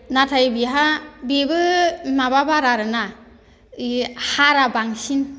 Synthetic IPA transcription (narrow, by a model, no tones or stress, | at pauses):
natʰajbiɦabibɯmababaɾaɾɯna | ihaɾabaŋsin